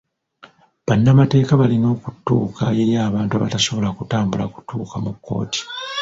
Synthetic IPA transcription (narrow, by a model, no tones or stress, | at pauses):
βanːamate̞ːkaβalino̞ːkutːṵːkʰaje̞ɾjaːβaːntua̰βa̰taso̞βo̞lakutaːmbulaku̥tuːkamukːo̞̰ːti̥